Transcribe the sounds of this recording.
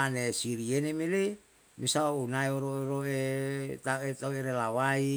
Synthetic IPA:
anesiɾienemele | misaounaeoɾoɾoet̪aet̪aueɾelawai

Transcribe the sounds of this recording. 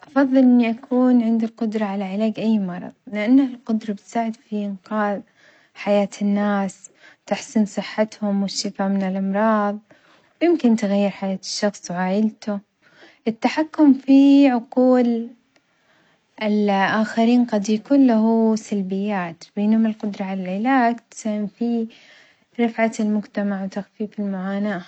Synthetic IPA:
ʔɑfɑðˤːɨlʔɪnːiʔakʰuːnʕɪnd̪ilqʊd̪ɾˤɑʕalaʕɪlaːɡʔajːmɑɾˤɑ̰ðˤlɪʔanːalqʊd̪ɾˤɑbɪt̪saːʕɪd̪fiʔɪnqaːð | ħajaːt̪ʰɪnːaːst̪ɪħsɪnsˤɨħːat̪hʊmwɪʃːɪfaːmɪnɪlʔɑmɾˤɑːðˤ | wjɪmkɪnt̪ɪɣajːɪɾħajaːt̪ɪ̥ʃːɑxsˤwʕaːʔɪlt̪ʊ | ʔɪt̪ːaħakːʊmfiʕʊquːl | ʔɪlʔaːxaɾiːnqɑd̪jakuːnlaɦusalbɪjːaːt̪beːnhʊmɪlqʊd̪ɾˤɑʕalalɪlaːɡt̪ɪ̥shɪmfi | ɾˤɑfʕalmʊd͡ʒt̪amaʕwt̪axfiːfɪlmʊʕaːnaːʔ

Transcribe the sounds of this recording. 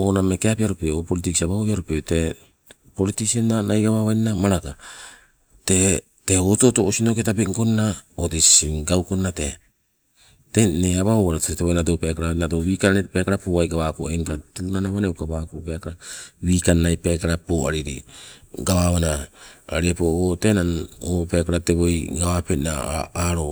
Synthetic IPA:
oname̞keapiaɾupeopolitiksiaβaβoβiaɾupete̞ | po̞litisionːanajɡaβaβajnamaɾaka | te̞ | te̞hoto̞toʔosino̞ketabeŋko̞nnaotisiɡawko̞nːate̞ | teneaβaβoβaɾotteβojnadopekaɾanadoβiːkaepekaɾapoajɡaβakoeŋkatunanaβaneokaβakopeakaɾawiːkanːajpekaɾapoaɾiɾḭɡaβaβanaaɾiepootenanopekaɾate̞βo̞jɡaβapenaaɾo

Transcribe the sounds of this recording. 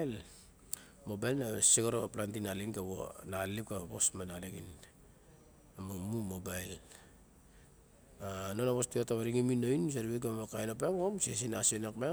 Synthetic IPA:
l | mo̞bajlnasiɡoɾoβaplantinaliŋkaβo̰nalip̚kaβosmanaliɡin | amumumobajl | anonaβostiataβaɾiŋiminoins̬aɾiβek̬ammokajnopeŋomsies̬inasonakma

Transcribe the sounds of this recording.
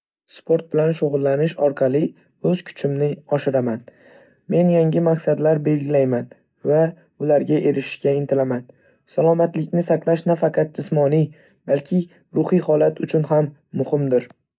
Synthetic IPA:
spʰo̞ɾt̪̚bɪlanʃoʁʊlˠːanɪʃɒɾqʰɑlˠɪ | ɵz̥kʰʊ̥t͡ʃʰɪmnɪɒʃɪɾaman | me̞njaŋɡʲɪmaqsad̪laɾbe̞lɡʲɪlajman | va | ʊlaɾɡʲaʔe̞ɾɪʃɪ̥ʃkʲaɪnt̪ʰɪlaman | salˠɒmat̪lɪkʲnɪsaqlˠaʃnafɑqʰɑt̪̚d͡ʒɪsmɒni | b̥alkʲʰɪ | ɾʊhijhɒlat̪ʰʊt͡ʃʰʊnɦamː | ʊhɪmd̪ɪɾ

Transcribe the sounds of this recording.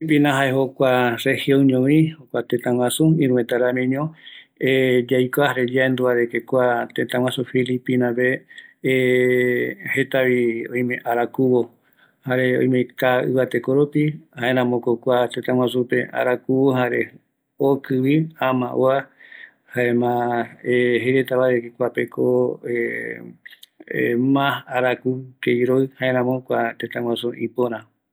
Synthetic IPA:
ipinãɦaeɦokʷarehiõɲõβĩhokʷat̪ẽt̪ãwʷãsuĩɾũẽt̪aɾamĩɲõed͡ʒajkoahaɾed͡ʒaend̪uaɾekekʷat̪ẽt̪ãw̃ãsũfilipinãbe | het̪aβiõj̃mẽʔaɾakuβo | haɾeõ̰j̃mek̪aɨ̰βat̪ekoɾopihãẽɾ̃ãmõkokʷat̪et̪ãŋʷwãsũpea̰ɾakuβohaɾe | okɨβiãmã̰ʔoa | haẽmãeɦeɾet̪aβaɾekekʷapekʰoe | mãhaɾakukejɾoɨhaẽɾ̃ãmõkʷat̪ẽt̪ãwʷãsũʔĩpoɾ̃ã

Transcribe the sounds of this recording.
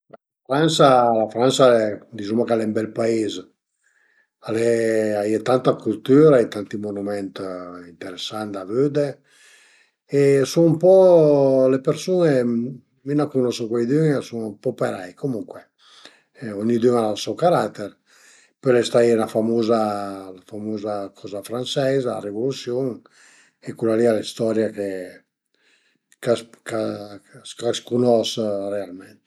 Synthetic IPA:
laafɾansalafɾansaɛd̪izumakalɛmbɛlpaez | alɛajet̪ant̪akult̪yːɾajt̪ant̪imonumɛnt̪int̪eɾesːand̪avød̪e | esunumpɔ | lepeɾsune | minakunɔsokwajd̪yŋesuŋumpɔpeɾajkomuŋkwe | ɔɲːid̪yŋalalsɔwkaɾat̪ːeɾ | pɔlɛst̪ailafamuzalafamuːzakʰɔzafɾant͡ʃɛza̰ːrevolusjoŋ | ekulalialist̪ɔɾjake | kakaskaskunɔsrealmɛnt̪

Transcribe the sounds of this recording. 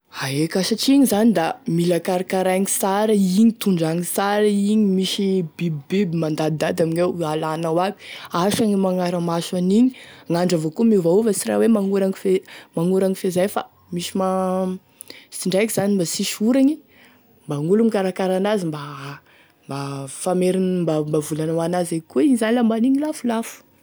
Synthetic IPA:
aekasaʈ͡ʂiɲizanid̪amilakaɾakaɾaŋisaɾaiɲit̪uɳɖ͡ʐaŋisaɾaiɲimiʃibibbebimand̪ad̪ad̪aminewalanawabi̥aʃaŋimaŋaɾamasaniɲiŋaɳɖ͡ʐavokumivauvəsiɾa̰wemaŋuɾaŋifemaŋuɾaŋifezajfa̰ | miʃima | siɳɖ͡ʐajkiz̥animbasiʃuɾaɲi | mbaŋulumikaɾakaɾanazimba | mbafameɾinmbambavulanawanazajkuiɲizanilambaniɲilafulafu̥

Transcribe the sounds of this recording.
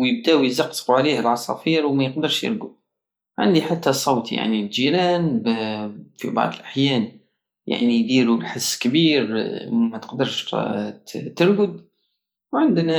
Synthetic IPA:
jɪb̚d̪aːwizaqsquʕaleːhɪlʕɑsˤɑ̰ːfiːɾwmajɪqd̪ɪɾʃjɪ̰ɾɡʊb̪̚ | ʕɪ̰nd̪iħat̪ːasˤoːt̪ja̰ʕnild͡ʒiːɾaːnbfḭbɑ̰ʕd̪ˤɪlʔaħjaːn | ja̰ʕnijd̪iːlujħɪsːkabiːɾmat̪ɪ̥qd̪ɪɾˤʃ | t̪ɪɾɡʊd̪ | wʕɪnd̪na

